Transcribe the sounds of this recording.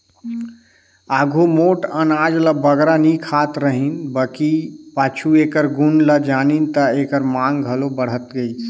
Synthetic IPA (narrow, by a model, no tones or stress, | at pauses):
aɡʱomoʈənad͡ʒləbəɡɾanikʰat̪ɾəɦinbəkipat͡ʃʰuekəɾɡunləd͡ʒanint̪əekəɾmaŋɡɡʱəlobəɽ̤ɦət̪ɡəit͡ʃʰ